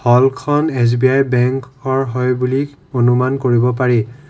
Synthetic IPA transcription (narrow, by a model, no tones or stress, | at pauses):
hɔlkʰɔnes̬biajbɛŋkɔɹɦɔjbuli | onumankoɹibɔp̬aɹi